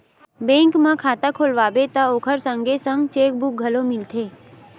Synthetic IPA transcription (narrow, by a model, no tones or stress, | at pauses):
bẽŋkmãkʰat̪akʰolʋabet̪aokʰəɾsəŋɡesə̃ŋɡt͡ʃek̚bʱuk̚ɡʱəlomɪlt̪ʰe